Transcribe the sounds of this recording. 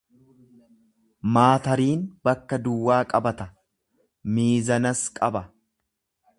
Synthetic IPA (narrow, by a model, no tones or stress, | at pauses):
maːt̪ɐɾiːnbɐkːɐd̪ʊwːaːkʼɐbɐt̪ɐ | miːzɐnɐskʼɐbɐ